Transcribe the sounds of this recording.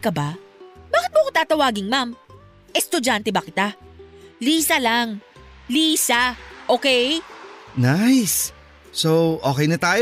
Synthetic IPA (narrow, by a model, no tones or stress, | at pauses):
kɐbabaːkɪt̪̚bokot̪aːt̪ɐwaːɡɪŋmam | ʔɛst̪ʊd͡ʒant̪ɛbɐkɪt̪a | liːsɐlaŋ | liːsaʔoːkɛjnajs | sowʔoːkɛjnɐt̪aːj